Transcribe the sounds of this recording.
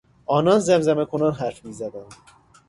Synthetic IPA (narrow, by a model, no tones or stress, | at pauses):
ʔɒːnɒnzæmzæmekʰonɒːnɦæɾfmiːzæd̪ænd̪̥